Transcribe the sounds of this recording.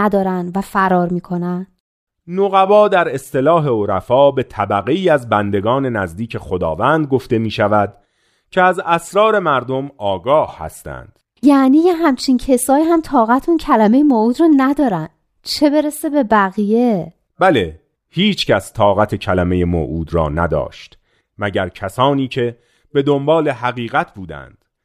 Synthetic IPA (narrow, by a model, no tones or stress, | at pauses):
æd̪ɒːɾænvæfæɾɒːɾmiːkʰo̞næn | noɣæbɒːd̪æɾe̞st̪e̞lɒːɦe̞oɾæfɒːbe̞t̪ʰæbæɣeiːæzbænd̪e̞ɡɒːne̞næzd̪iːcʰe̞xo̞d̪ɒ̰ːvænd̪̚ɡoft̪e̞miːʃævæd̪ | cʰeæzæsɾɒːɾe̞mæɾd̪o̞mɒːɡɒːhhæ̰st̪ʰæ̰nd̪̥ | jæniːjeɦæmt͡ʃʰincʰesɒːjiɦæmt̪ʰɒːɣæt̪ʰuncʰælæme̞jemouːd̪ɾɒːnæd̪ɒːɾænd | t͡ʃʰe̞be̞ɾese̞be̞bæɣije | bæle̞ | hiːt͡ʃʰcʰæst̪ʰɒːɣæt̪ʰecʰælæme̞je̞mo̰ʔuːd̪rɒ̰ːnæd̪ɒ̰ːʃt̪ | mæɟæɾcʰæsɒːniːcʰe̞ | b̥e̞d̪o̞mbɒːle̞ɦæɣiːɣæt̪ʰbuːd̪æ̰nd̪̥